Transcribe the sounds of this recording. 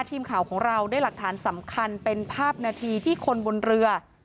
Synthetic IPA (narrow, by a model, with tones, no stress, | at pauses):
t̪ʰiː˧mkʰaː˨˩˦wkʰɔː˩˦ŋɾa˧wdaː˥˩jla˨˩k̚t̪ʰaː˩˦nsa˩˦mkʰa˧npe˧npʰaː˥˩p̚naː˧t̪ʰiː˧t̪ʰiː˥˩kʰo˧nbo˧nɾɯ˧ɐ